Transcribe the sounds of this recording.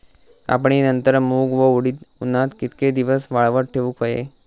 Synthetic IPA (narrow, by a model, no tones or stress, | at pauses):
a̰p̬ɳinənt̪əɾmuɡʋəɽiːt̪unːat̪kit̪ked̪iʋəsʋaɭʋəʈʈʰeʋukʰəjḛ